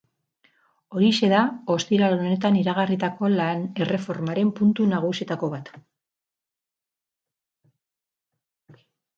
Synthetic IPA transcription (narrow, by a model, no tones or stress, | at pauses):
o̞ɾise̞ðao̞st̪iɾalone̞t̪aniɾaɣ̞arit̪ako̞lane̞re̞fo̞ɾmaɾe̞mpunt̪unaɣ̞usiet̪ako̞βat̪